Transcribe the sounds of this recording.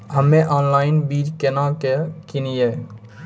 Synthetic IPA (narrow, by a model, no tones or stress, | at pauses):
ɦəmːeʔaːnlaːɪnbid͡ʒkenakekinije